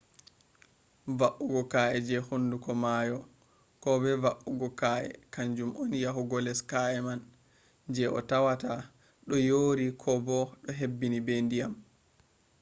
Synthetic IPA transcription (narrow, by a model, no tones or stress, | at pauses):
vaʔuɡɔkaʔɛd͡ʒɛhunːdukɔmajɔ | kɔbɛvaʔuɡɔkaʔɛ̰kaɲd͡ʒumʔɔnjaɦuɡɔlɛskaɛman | d͡ʒɛʔɔ̰tawata | ɗɔjoːɾikʰɔbɔɗɔɦebːinibendijam